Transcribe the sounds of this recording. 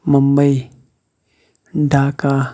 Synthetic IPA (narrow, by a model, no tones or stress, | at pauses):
məmbəi | ɖaːka